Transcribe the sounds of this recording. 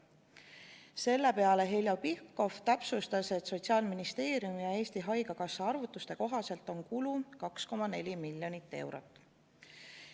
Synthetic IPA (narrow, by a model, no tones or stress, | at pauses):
se̞lːe̞pe̞ɑle̞ɦelʲjɑpihkːo̞ft̪æpsust̪ɑse̞t̪so̞t̪siɑːlminist̪e̞ːɾjumijɑe̞ːst̪iɦɑjɡɑkɑsːɑɑrvut̪ːust̪e̞ko̞ɦɑse̞lt̪ːˑo̞nkulukɑksko̞mɑne̞lʲimilʲjo̞nit̪ːe̞̰wɾot̪ːˑ